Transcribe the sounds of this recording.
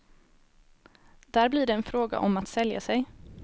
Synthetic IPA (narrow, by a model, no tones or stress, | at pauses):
d̪æːɾblɪːɖɛːnfɾoːɡa̰ʔɔmat̪sɛlja̰sɛj